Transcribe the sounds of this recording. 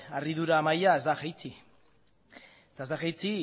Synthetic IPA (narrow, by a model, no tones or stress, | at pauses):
ariðuɾaːmajae̞zd̪axajt͡si | t̪aezd̪axajt͡si